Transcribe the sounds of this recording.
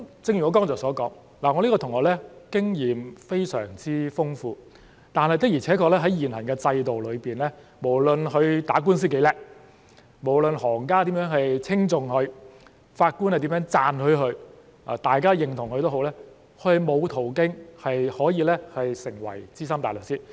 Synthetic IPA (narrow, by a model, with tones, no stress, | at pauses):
t͡sɪ˧ŋjy˨˩ŋɔː˨˧˥kɔː˥ŋt͡sɔː˨˩sɔː˨˥kɔː˨˥ŋ | laː˨˩ŋɔ˨˧liː˥kɔː˧t̪ʰʊ˨˩ŋɔː˨˧lɛː˥kɪ˥ŋjiː˨˩mfe˥jsœ̰ː˨˩ŋt͡siː˥fʊ˥ŋfuː˧ | t̪aː˨nhɐ˨jt̪k̚jiː˨˩ɛː˨˥kʰɔː˧˥lɛː˥ɦɐ˨˥jjiː˨˩nhɐ˨˩nkɛː˧t͡sɐ˧jt̪o˨wlɵ˨˧ɥpiː˨nlɛː˥ | mo˨˩wlɵ˨nɦɵ˧ɥt̪aː˨˥k̬uː˥ns̬iː˥ke˨˥jlɛː˨k̚ | mo˨˩wlɵ˨˧nhɔː˨˩ŋkaː˥t̪iː˨˥mjœː˨˥ŋhɐ˨jt͡sʰɪ˥ŋt͡sʊ˨ŋhɵ˧ɥ | faː˧t̚kuː˥nhɐ˨jt̪i˨˥mjœː˨˥ŋt͡saː˨˧nhɵ˧ɥɦɵ˧ɥ | aː˨˩t̪aː˨jkaː˥jɪ˨ŋt̪ʰʊ˨˩ŋhɵ˧ɥt̪o˥wɦo˨˥wlɛː˥ | kʰɵ˧˥hɐ˨˩jmo˨˧wt̪ʰo˨˩wkɪ˥ŋhɐ˨jhɔː˨˥jiː˨˧lɛː˥hɐ˨jsɪ˨˩ŋwɐ̰˨˩jt͡siː˥sɐ˥mt̪aː˨jlɵ˨k̚siː˥